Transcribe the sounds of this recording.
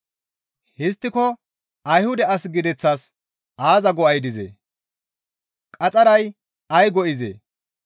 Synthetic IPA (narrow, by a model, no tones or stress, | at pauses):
hɪst̪ːɪkɔ | ɐjhʊd̪ɛɐsɡɪd̪ɛt͡sːɐs | ʔaːzɐɡɔʔɐjd̪ɪzḛː | kʼɐt͡sʼɐɾɐj | ɐjɡɔʔɪzḛː